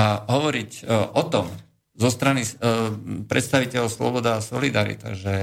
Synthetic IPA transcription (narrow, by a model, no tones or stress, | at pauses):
aɦɔʋɔɾicʔɔt̪ɔm | zɔst̪ɾani | pɾɛ̰t̪st̪aʋicɛlɔʊslɔ̰bɔd̪aːsɔlid̪aɾḭt̪a̰ʒɛ